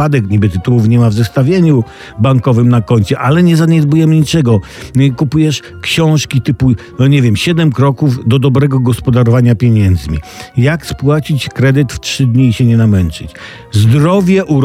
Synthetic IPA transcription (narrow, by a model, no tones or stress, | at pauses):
ad̪ɛkɲibɘt̪ɘt̪uwufɲɛmavzɛst̪avʲjeɲu | baŋkɔvɘmnakɔɲʲt͡ɕɛʔalɛɲɛzaɲɛd̪bujɛmɲit͡ʂɛɡɔ | kupujɛʂ | kɕɔ̃w̃ʂkʲit̪ɘpunɔɲɛvʲjɛmɕɛd̪ɛmkɾɔkuvd̪ɔd̪ɔbɾɛɡɔɡɔspɔd̪aɾɔvaɲapʲjeɲɛnd̪zmʲḭjakspwat͡ɕit͡ɕkɾɛd̪ɘt̪ftʂɘd̪ɲiːɕɛɲɛnamɛnt͡ʂɘ̰t͡ɕ | zd̪ɾɔvʲjɛʔuɾ